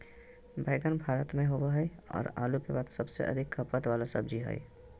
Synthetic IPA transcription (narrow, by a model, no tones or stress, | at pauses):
bʱəɪɡənbʱaːɾət̪mẽɦobaɦɛjɔ̰ːɾa̰ːlukebaːd̪səbsḛʔə̰d̪ʱɪkʰːəpət̪ʋaːlasəbd͡ʒiɦɛ̰j